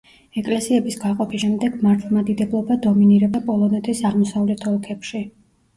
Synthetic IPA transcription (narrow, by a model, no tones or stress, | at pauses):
ɛkʼlɛsiɛbisɡaqʼɔpʰiʃɛmd̪ɛɡ̥maɾt̪ʰlˠmad̪id̪ɛblˠɔbad̪ɔminiɾɛbapʼɔlˠɔnɛt̪ʰisaʁmɔsavlɛt̪ʰɔlkʰɛpʃi